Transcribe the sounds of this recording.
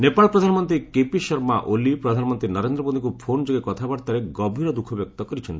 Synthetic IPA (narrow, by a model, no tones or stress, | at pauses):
nepaɭɔpɾɔd̪ʱanɔmɔnt̪ɾikepiʃɔɾmaʔolipɾɔd̪ʱanɔmɔnt̪ɾinɔɾend̪ɾɔmod̪iŋkupʰond͡ʒoɡekɔt̪ʰabaɾt̪aɾeɡɔbʱiɾɔd̪ukʰɔbjɔk̚t̪ɔkɔɾit͡ʃʰent̪i̥